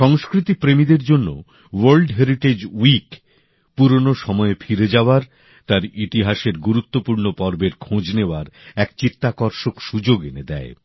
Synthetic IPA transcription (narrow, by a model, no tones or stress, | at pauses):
ʃɔŋskɾit̪ipɾemid̪eɾd͡ʑonːo̰ | woɾlɖɦeɾiʈed͡ʑwik | puɾonoʃɔmɔefʰiɾed͡ʑaoaɾ | t̪aɾit̪iɦaʃeɾɡuɾut̪ːopuɾnopɔɾbeɾkʰõd͡ʑneoaɾɛkt͡ɕit̪ːakɔɾʃokʃud͡ʑoɡened̪ɛe